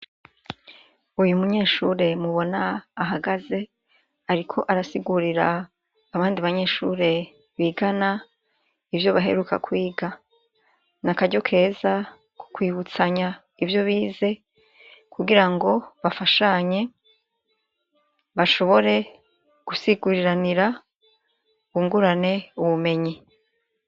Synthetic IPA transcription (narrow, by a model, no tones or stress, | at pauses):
ujumuɲe̞ːʃuːɾe̞muβo̞naːɦaɡaze̞ | aɾikʰo̞ʔaɾasiɡuɾiɾaː | βaːndiβaɲe̞ːʃuːɾe̞ | βiɡana | ivjo̞βaɦe̞̰ɾuka̰kwiːɡa | nakaɟo̞kʰe̞ːza | ku̥kwiːβut͡saɲa | ivjo̞βiːze̞ | kʰuɡiɾaŋɡo̞βafaʃaɲe̞ | βaʃo̞βo̞ɾe̞ | ɡ̥usiɡuɾiɾaniɾa | uβuŋɡuɾane̞uβume̞ɲi